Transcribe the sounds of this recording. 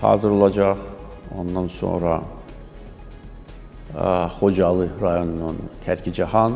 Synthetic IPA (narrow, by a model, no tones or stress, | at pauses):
hɑ̰ːzɯɾo̞lˠɑd͡ʒɑχ | o̞̰nd̪ɑnso̞̰nɾɑ | χo̞d͡ʒɑlˠɯɾɑjo̞nununc̪ʰæɾcʰid͡ʒɑhɑn